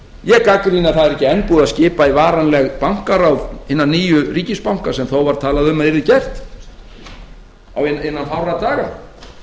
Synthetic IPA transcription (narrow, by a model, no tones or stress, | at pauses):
jɛɣkakɾiːnaθaðɛɾɛcːɪɛnpuːðaðscɪːpaivaːɾanlɛɣpawŋ̥kaɾawðɪnːanːiːjʏriːcɪspawŋ̥kḁsɛmθowvaɾ̥t̪ʰaːlaðʏmaðɪɾðɪcɛr̥t̪ | a̰wenenːanfawrat̪aːɣa̰